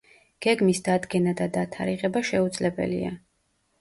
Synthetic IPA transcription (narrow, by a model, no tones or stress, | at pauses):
ɡ̥ɛɡmisd̪ad̪ɡɛnad̪ad̪at̪ʰaɾiʁɛbaʃɛud̪zlɛbɛ̰lḭa̰